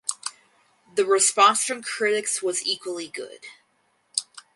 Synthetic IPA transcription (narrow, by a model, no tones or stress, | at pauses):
ðɨɹɨspɑ̃nsfɹʌ̃mkʰɹ̥ɪɾɨkswʌzikwl̩ˠiɡʊ̰d̥